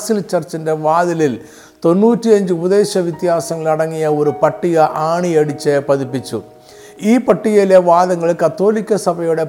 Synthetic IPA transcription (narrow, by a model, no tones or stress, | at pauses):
silt͡ɕɐrt͡ɕːɐndeʋaːðilil | t̪o̞nːuːtːiɐɲd͡ʑɨubɐðe̞ːɕɐʋjit̪jaːsɐŋːɐɭɐɽɐŋːijɐo̞ɾupɐʈːiɣɐʔaːɳiɐɽit͡ɕːɐpɐðipːit͡ɕːṵ | iːpɐʈːiɣɐleʋaːðɐŋːɐɭkɐt̪ːo̞ːlikʲːɐsɐbʱɐjuɽe̞